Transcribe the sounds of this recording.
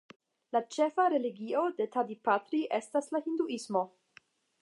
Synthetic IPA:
lat͡ʃe̞faɾe̞liɡiodetadipatɾiʔe̞staslahinduʔismo̞

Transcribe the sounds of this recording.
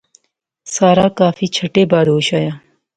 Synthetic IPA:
saːɾaːkaːfiːt͡ʃʰɐʈeːbaːd̪oːɕaːjaː

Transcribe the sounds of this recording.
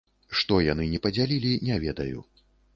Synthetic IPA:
ʂt̪ɔjan̪ɨnʲɛpɐd͡zʲalʲilʲinʲɛvʲɛd̪ɐjṵ

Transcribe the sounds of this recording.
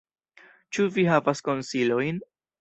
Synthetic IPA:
t͡ʃuviɦavasko̞nsilo̞jn

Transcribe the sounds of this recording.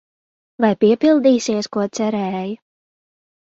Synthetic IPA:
vajpʲiɛpilˠd̪iːsiɛskuɔt̪sæɾɛːju

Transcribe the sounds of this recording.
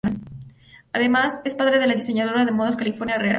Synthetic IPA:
n | aðe̞masespaðɾe̞ðelaðise̞ɲað̞oɾaðemoðoskalifo̞ɾnjareɾa̰

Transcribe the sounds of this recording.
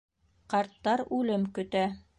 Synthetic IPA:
qɑɾt̪ːɑɾʉlɘmkɵ̆t̪æ

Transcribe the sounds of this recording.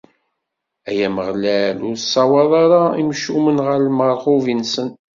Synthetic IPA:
æjæməʁlælʊɾsɑwɑðˤɑɾˤɑimʃumənʁəɾlməɾˤχuvinsən

